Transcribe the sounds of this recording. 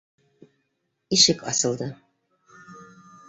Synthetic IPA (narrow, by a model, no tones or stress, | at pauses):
iʃɘkʰɑ̰sɤ̆lˠd̪ɤ